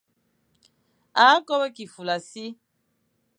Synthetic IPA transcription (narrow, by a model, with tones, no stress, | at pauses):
aː˨˦kɔ˦wɛ˦ki˨fu˨la˨si˦